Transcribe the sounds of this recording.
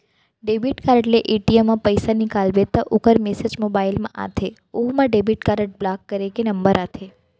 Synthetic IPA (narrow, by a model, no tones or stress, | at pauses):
ɖebiʈkaɾəʈleʔeʈiemːãpəjsanikalʋet̪aʔukəɾmesed͡ʒmobailmãʔa̰t̪ʰe | umãɖebiʈkaɾəʈ̚blakːəɾekenəmbəɾat̪ʰe